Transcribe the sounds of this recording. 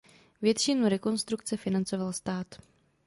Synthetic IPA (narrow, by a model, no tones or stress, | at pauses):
vjɛt̪ʃɪnuɾɛko̞nst̪ɾukt͡sɛfɪnant͡so̞valst̪aːt̪